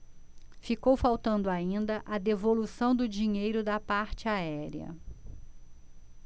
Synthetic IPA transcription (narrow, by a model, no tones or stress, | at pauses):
fikowfawt̪ɐ̃nd̪ʊaĩnd̪ɐʔɐd̪evolusɐ̃w̃d̪ʊd͡ʒiɲejɾʊd̪ɐpaɾt͡ʃɪaɛɾiɐ̰